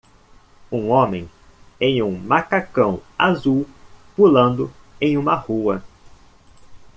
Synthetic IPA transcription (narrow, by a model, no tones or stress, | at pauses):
ũõmẽj̃ | ẽj̃ũmakakɐ̃w̃azuwpulɐ̃nd̪ʊ | ẽj̃ũmɐhuɐ